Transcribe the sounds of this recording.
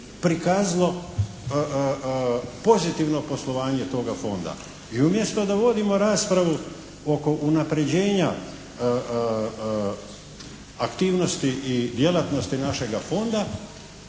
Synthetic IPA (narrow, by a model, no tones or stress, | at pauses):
pɾikaːzalˠo̞ | po̞zit̪iʋno̞po̞slˠo̞ʋaːɲe̞t̪o̞ːɡafo̞̰nd̪a̰ | iumje̞st̪od̪aʋo̞d̪imo̞ɾaːspɾaʋu | oko̞ʔunapɾe̞d͡ʑe̞ːɲa | akt̪iːʋno̞st̪iʔid̪je̞lat̪no̞st̪inaʃe̞ɡafo̞nd̪a